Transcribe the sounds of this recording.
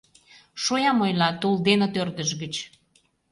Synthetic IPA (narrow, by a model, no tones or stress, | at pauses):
ʃojɑmojlɑt̪uld̪enot̪ørd̪əʒɣət͡ɕ